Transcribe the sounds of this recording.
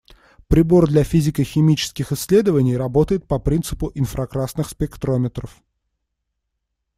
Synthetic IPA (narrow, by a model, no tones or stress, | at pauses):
pɾʲɪbo̞rd̪lʲɐfʲizʲɪkəxʲɪmʲit͡ɕɪ̥skʲɪxɪsʲːlʲe̞d̪əvənʲɪjrɐbo̞t̪əjɪt̪̚pɐpɾʲint̪sɨpʊʔɪnfɾɐkɾasnɨxspʲɪkt̪ɾo̞mʲɪt̪ɾəf